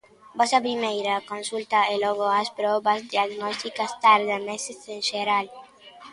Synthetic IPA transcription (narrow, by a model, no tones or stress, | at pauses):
bɔsɐp̬ɾimejɾakõnsult̪aeloɣoaspɾɔβɐzd̪iaɣnɔst̪ikast̪aɾðamesesenʃeɾal